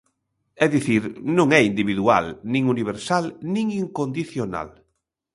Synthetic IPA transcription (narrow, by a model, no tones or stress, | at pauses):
ɛðiθiɾnũŋɛind̪iβiðua̰lnĩŋuniβ̞eɾsalnĩŋiŋkond̪iθjona̰l